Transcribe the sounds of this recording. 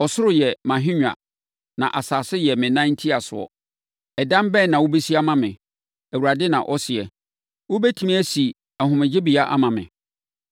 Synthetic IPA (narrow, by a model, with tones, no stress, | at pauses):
ɔ˨sʊ˦ɾʊ˨jɛ˨mã˨ɦᶣɪ̃˦ɲᶣ˨a̰˨ | nã̰˨ʔa˨saː˨sɪ˦jɛ˨mɪ̃˨nã˦n̩˦tʰi˦a˨sʊ̰˨ɔ̰˨ | ɛ˨dã˦mbɛː˦˨nã˨wʊ˦be˦si˦a˦mã˨mɪ̰̃˨ | æ˨wu˨ɾa˨dɪ˦nã̰˨ʔɔ˦sɪ˨ɛ˨ | wʊ˦bɛ˦tʰĩ˦mĩ˦æ˦si˨ | a˨ɦʊ̃˨mɪ̃˨d͡ʑɪ˦bi˨a˦ʔa˦mã˨mɪ̰̃˨